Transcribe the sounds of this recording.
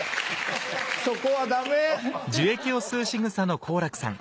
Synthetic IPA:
sokoβad̪amed͡ʑɨe̞kʲio̞sɨːɕiŋɯ̟sano̞kʰo̞ːɾakɯ̟̥sã̰ŋ

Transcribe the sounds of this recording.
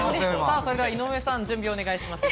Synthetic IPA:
saːso̞ɾed̪eainomesãɲd͡ʑɨ̃mbʲio̞ːne̞ɡaiɕimasɨ̥

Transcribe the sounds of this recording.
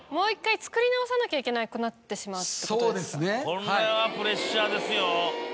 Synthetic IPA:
mo̞ːikːait͡sɨ̥kɯ̟ɾʲinaosanakʲaikʲe̞naiko̞nat̪ːe̞ɕimaɯt̪ːesoːd̪esɨne̞kõnaeβapɯ̟ɾe̞ɕːaːd̪e̞sɨjo

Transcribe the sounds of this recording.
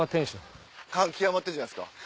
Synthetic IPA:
at̪ẽɰ̃ɕõŋ | kãŋkʲiamat̪ːed͡ʑanasɨ̥ka̰

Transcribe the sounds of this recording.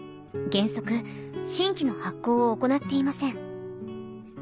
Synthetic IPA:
ɡẽ̞ɰ̃so̞kɯ̟ɕĩŋkʲino̞hakːo̞ːooko̞nat̪ːe̞imasẽ̞ŋ

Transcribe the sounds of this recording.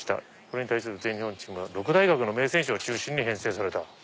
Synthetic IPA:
i̥t̪a̰ | ko̞ɾe̞ɲit̪ais̬ɨɾɯteɲihõɲt͡ɕimɯaɾo̞kɯ̟d̪aiɡakɯ̟no̞me̞ːsẽ̞ɰ̃ɕoot͡ɕɨːɕĩɲ̟ːiɦẽ̞ɰ̃se̞ːsaɾe̞t̪a

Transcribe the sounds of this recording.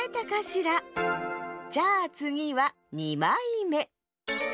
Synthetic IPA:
et̪akaɕiɾa | d͡ʑaːt͡sɨɡʲiβa | ɲimaime̞

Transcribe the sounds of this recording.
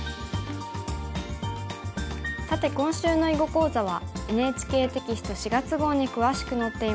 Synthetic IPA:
sat̪e̞kõ̞ɰ̃ɕɨːno̞iɡo̞ko̞ːzaβ̞ae̞ne̞ːt͡ɕi̥ke̞ːt̪e̞kʲisɨ̥t̪oɕiɡat͡sɨɡo̞ːɲ̟ikɯ̟βaɕi̥kɯ̟no̞t̪ːe̞i

